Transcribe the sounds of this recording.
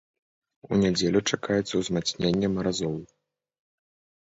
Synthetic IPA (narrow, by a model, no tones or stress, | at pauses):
unʲad͡zʲelʲut͡ʂakajɛt̪sːɐwzmat̪snʲenʲːɛmɐɾazɔlˠ